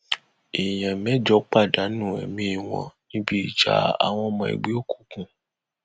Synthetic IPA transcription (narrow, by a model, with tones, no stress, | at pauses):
e˨j̃ã˨mɛ˦d͡ʒɔ˨˦k͡pa˦˨da˨˦nũ˦˨ɛ̰˨mĩ˦i˧˨w̃ɔ̰̃˧nĩ˦bi˦i˦˨d͡ʒa̰˦a̰˨w̃ɔ̃˧mɔ̃˧ḭ˨ɡ͡be˦o˦˨ku˨˦kũ˨